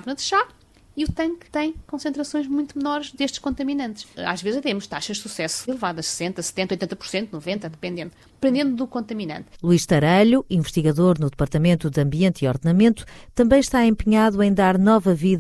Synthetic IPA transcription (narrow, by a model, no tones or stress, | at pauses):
avnɐðʃa | iut̪ɐ̃ŋkt̪ɐ̃j̃kõsẽnt̪ɾɐsõj̃ʒmũj̃t̪umnɔɾʒðeʃt̪ʃkõnt̪ɐminɐ̃nt̪ʃa̰ʒvezʒt̪emuʃt̪aʃɐʒd̪susɛsu̥ilˠɨvaðɐʃsɨ̥sẽnt̪ɐsɨ̥t̪ẽnojt̪ẽt̪ɐpuɾsẽnt̪unuvẽnt̪ɐðɨpẽnd̪ẽnt̪d̪ɨpẽnd̪ẽnd̪uðukõnt̪ɐminɐ̰̃nt̪lˠuiʃt̪ɐɾɐʎuĩvɨʃt̪iɣɐðoɾnuðɨpɐɾt̪ɐmẽnt̪uðɨɐ̃mbiẽnt̪iɔɾðnɐmẽnt̪u̥t̪ɐ̃mbɐ̃j̃ʃt̪aẽmpɲaðuɐ̃j̃d̪aɾnɔvɐvið